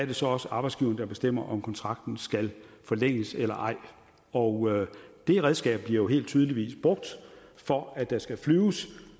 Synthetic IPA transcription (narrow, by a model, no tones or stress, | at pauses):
æɐde̝sɒ̽ɒ̽səʔɑ̈b̥ɪsɡ̥iːʊɐnədɑ̈b̥e̝sd̥em̰ɐʔɒ̽mkʰɒ̽nt͡sʰʁɑ̈ɡ̥̚d̥n̩sɡ̥ælfɒ̽leŋ̰əselɐʔɑ̈ɪ̰ | ɒʊd̥e̝ʁɛð̞ˠsɡ̥ɛ̰ːb̥b̥liɐjo̝ɦe̝̰ːld̥̚t͡sʰyːð̞ˠliʋḭːsb̥ʁɔɡ̥̚d̥fɒ̽æd̥ɑ̈sɡ̥æflyːʊs